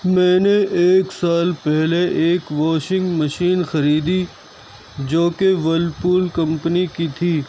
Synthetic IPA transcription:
mɛ̃ːneʔeːksaːlpɛɦleʔeːkʋɔːʃɪ̃ŋɡmɐʃiːnxɐɾiːd̪i | d͡ʒoːkeʋɐlpuːlkɐ̃mpnikit̪ʰiː

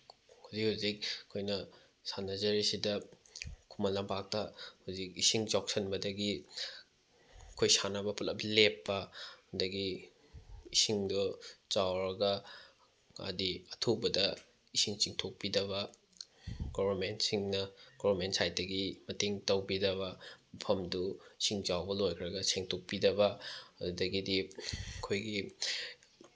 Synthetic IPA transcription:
huzikhuzik̚kʰojnɐ | sanɐzɐɾisidɐ | kʰumɐlːɐmpak̚tɐhuzikisiŋd͡ʒawk̚sɐnbɐdɐɡi | kʰojsanɐbɐpʰulɐplepːɐhundɐɡi | isiŋdot͡ʃawɾɐɡɐ | ɐ̰diɐtʰubɐdɐ | isiŋt͡ʃiŋtʰok̚pidɐβɐ | ɡ̥obɐɾmentsiŋnɐɡ̥ɔβɐɾmentsajdɐɡimɐteŋtɐwbidɐβɐmɐpʰɐmduisiŋt͡ʃawbɐlojkʰɾɐɡɐseŋtʰok̚pidɐβɐɐdudɐɡidikʰojɡi

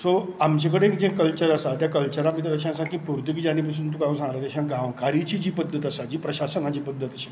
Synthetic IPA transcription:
soamt͡ɕek̬əɽeːkd͡ʑẽkəlt͡ɕəɾəsat̪jakəlt͡ɕəɾãmit̪ɾəɕãəsãkiːpuɾt̪ikd͡ʑañĩpəs̬uːnt̪̬ukaũsãŋɡɾat̪aɕãɡãʋkaɾit͡ɕiːd͡ʑiːpəd̪ʱːət̪əsad͡ʑiːpɾəɕasənad͡ʑipəd̪ʱːət̪əɕi̥

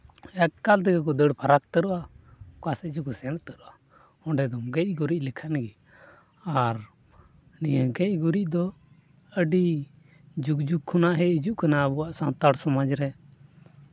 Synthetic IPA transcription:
ɛkkːalt̪ɛɡɛkɔd̪əɽpʰaɾak̚t̪əɾuʔakasɛd͡ʒukɔsɛnt̪əɾuʔa | ɔɳɖɛd̪ɔmɡɛc̚ɡuɾic̚likʰənɡɛ | aɾ | nijəɡɛc̚ɡuɾic̚d̪ɔ | əɖi | d͡ʒukd͡ʒukʰːunaʔɦɛid͡ʒuʔkanaəbuaʔsant̪aɽsɔmad͡ʒɾɛ

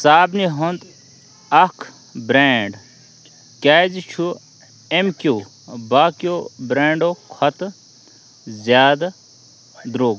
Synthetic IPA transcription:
saːbniɦond̪ | ɐkʰ | bɾeːɳɖ | kʲaːzt͡ʃʰu | emkjuː | baːkjoːbɾeːɳɖoːkʰɐt̪ | zjaːd̪ | d̪ɾoːɡ

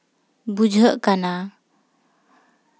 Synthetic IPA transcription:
bud͡ʒʱəʔkana

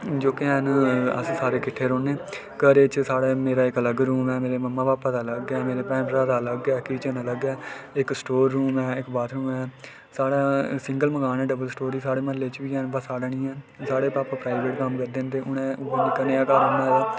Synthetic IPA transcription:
d͡ʒoːkeɛnə̰ssaːɾeːkɪʈʰːeːɾoːneː | kəɾeːt͡ʃsaːɽeːmeːɾaːɪkələɡɾuːmɛːmeːɾeːməmːãːʋaːpət̪aːləɡɛːmeːɾeːpɛ̃ːpɾaːt̪aːləɡːɛːkit͡ʃənãːləɡɛːɪksʈoːɾːuːmɛːɪkbaːt̪ɾuːmɛː | saːɽaːsɪ̃ŋɡəlməɡaːnɛːɖəbəlsʈoːɾiːsaːɽeːmənleːt͡ʃʋiːɛːnbəsaːɽaːnĩːɛː | saːɽeːpaːpãpɾaːɪbeːʈkəmkəɾd̪eːnt̪eːʔʊnɛ̃ːʊbnikəneːaːkaːɾaːnãːlaː

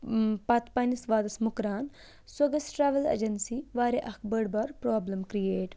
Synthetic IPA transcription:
pɐt̪paːnisʋaːd̪ɐsmʊkɾaːn | swɐɡɐsʈɾaːʋɐlḛd͡ʒɐnsiʋaːɾeʔɐkbəɽbɐɾpɾaːblɐmkɾijeːʈ

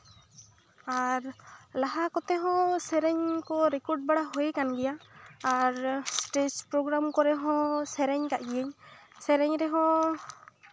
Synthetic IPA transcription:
aɾlaɦakɔt̪ɛɦɔ̃sɛɾɛɲkɔɾɛkɔɾʈ̚baɽaɦojkanɡɛjaː | ɾsʈespɾoɡɾamkɔɾɛɦɔ̃sɛɾɛɲkaʔɡijɛɲsɛɾɛɲɾɛɦɔ̃

